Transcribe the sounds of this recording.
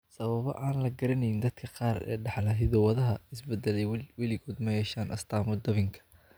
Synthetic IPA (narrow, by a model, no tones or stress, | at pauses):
sɐβɐβɔ̰ʔaːnlɐɡɐɾɐnɛjɪnd̪ɐd̪kʰɐqɑːrɛ̰ːɖɑħlɐɦɪðɔwɐðɐɦɐɪsbɛd̪ːɛlɛjwɐlɪɣoːd̪mɐjɛːʃaːnʔɐ̰st̪ʰaːmʊd̪ɐβɪŋkʰɐ̥